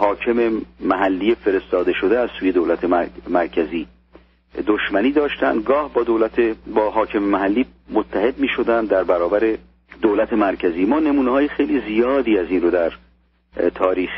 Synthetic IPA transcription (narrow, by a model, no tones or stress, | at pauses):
hɒːcʰe̞memæɦælːiːjefe̞ɾe̞st̪ɒːd̪e̞ʃod̪eæzsuːje̞d̪olæt̪ʰemæmæɾcʰæziː | d̪oʃmæniːd̪ɒːʃt̪æ̰nd̪̚ɡɒːhbɒːd̪olæt̪ʰebɒːɦɒːcʰe̞memæɦælːiː | mot̪ʰːæhe̞d̪̚miːʃo̞d̪ænd̪d̪æɾbæɾɒːbæɾe̞ | d̪oːlæt̪ʰe̞mæɾcʰæziːmɒːne̞muːneɦɒːjexejliːzijɒːd̪iːæziːnrod̪æɾ | t̪ʰɒːɾiːx